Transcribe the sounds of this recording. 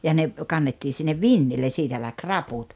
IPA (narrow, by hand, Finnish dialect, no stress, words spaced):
jɑ ne kɑnːetːiː sinːeʋ ʋinːilːen̞ siːtæ læk rɑput